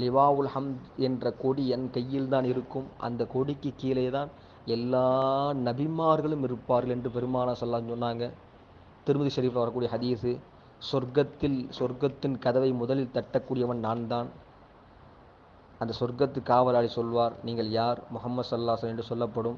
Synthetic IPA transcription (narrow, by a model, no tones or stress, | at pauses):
lɪʋaːʋɐlhɐmd̪ɛndrɐkoɽiɛnkɐjːɪlt̪aːnɪɾɯkːɯmʔɐ̰nd̪ɐkɔɽɪkːɯkːiːlɐjðaːn | ɛlːaːnɐbɪmaːɾɣɐɭɯmɪɾɯpːaːɾɣɐlɛndrɯpɛɾɯmaːnaːsɔlɐlːaːsɐmsɔnːaːŋɡɐ | t̪ɪɾɯmɐðiʃɐɾiːflɐʋɐɾɐkːuːɽɪjɐhɐðiːsɯ | sɔɾɡɐt̪ːɪlsɔɾɡɐt̪ːɪnkɐðɐʋɐɪmʊðɐlɪlt̪ɐʈːɐkːuːɽɪjɐʋɐnnaːnd̪aːn | ʔɐnd̪ɐsɔɾɡɐt̪ːɯkːaːʋɐlaːɽisɔlʋaːɾniːŋɡɐɭjaːɾmʊhɐmːɐd̪sɐlːɐlːaːʋsɐlɐmɛndrɯsɔlːɐpːɐɽɯm